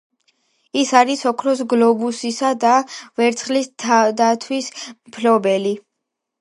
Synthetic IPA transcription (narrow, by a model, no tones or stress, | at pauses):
isaɾisɔkʰɾɔs̬ɡlɔbusisad̪avɛɾt̪sʰχlist̪ʰad̪at̪ʰwismpʰlɔbɛli